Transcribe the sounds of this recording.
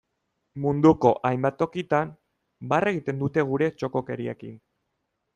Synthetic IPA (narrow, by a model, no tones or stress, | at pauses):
mund̪uko̞ʔajmbat̪o̞kit̪am | bare̞ɣ̞it̪e̞nd̪ut̪e̞ɣ̞uɾe̞t͡ʃo̞ko̞ke̞ɾiḛkḭn